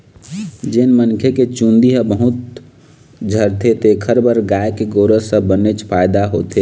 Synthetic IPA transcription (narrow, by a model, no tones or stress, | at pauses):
d͡ʒenmənkʰeket͡ʃũnd̪iɦəbəɦʊt̪̚ | d͡ʒʱəɾt̪ʰet̪eːkʰəɾbəɾɡaːekeɡoːɾəsəbənet͡ʃpʰaːɪd̪aɦoːt̪e